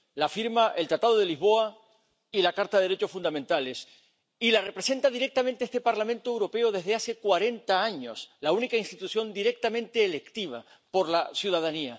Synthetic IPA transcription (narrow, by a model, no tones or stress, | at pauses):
lafiɾmaʔe̞lt̪ɾat̪aðoðelizβo̞a | ilakaɾt̪aðeɾet͡ʃo̞sfund̪amẽnt̪ale̞s | ilare̞pɾe̞se̞nt̪aðiɾe̞k̚t̪amẽnt̪eest̪e̞paɾlamẽnt̪oewɾo̞pe̞oðe̞zðease̞kwaɾe̞nt̪aaɲo̞slaunikainst̪it̪usjo̞nd̪iɾe̞k̚t̪amẽ̞nt̪e̞ːle̞kt̪iβ̞a̰ | po̞ɾlasjuðaðania